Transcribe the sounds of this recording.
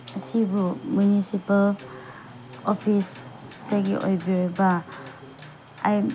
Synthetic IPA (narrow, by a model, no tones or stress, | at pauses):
ɐsibumunisipal | opʰistaɡḭʔojbiɾba | aj